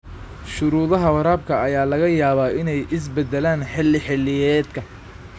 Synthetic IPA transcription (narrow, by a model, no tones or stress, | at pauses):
ʃʊɾuːðɐɦɐwɐɾaːb̚kʰɐɐjaːlɐɣɐjaːβaːʔɪnɛjʔɪs̬bɛd̪ɛlaːnħɪlɪħɪlːɪjɛːd̪kʰɐ